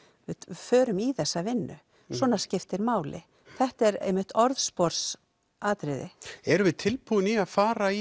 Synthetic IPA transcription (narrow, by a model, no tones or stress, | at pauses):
vɪfœːɾʏmiθɛsːavɪnːʏ̰ | swɔːnḁscɪft̪ɪɾmaːwlɪ̰ | θɛht̪ɛɾḛjmːɪht̪ɔɾðspɔɾ̥s | aːt̪ɾɪðɪɛɾʏvɪðt̪ʰɪlpuːðʏniaðfaːɾai